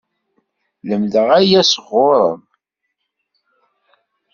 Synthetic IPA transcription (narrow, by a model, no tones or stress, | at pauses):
ləmðəʁæjæsəʁːʊɾˤə̰m